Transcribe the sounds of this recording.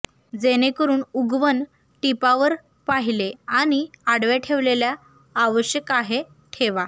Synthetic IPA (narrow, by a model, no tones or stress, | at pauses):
d͡zenekəɾuːnuɡʋən | ʈipaʋəɾ | paɦileaɽ̃iaɽʋeʈʰeʋleljaː | ʋəɕjəkaɦe | ʈʰeʋa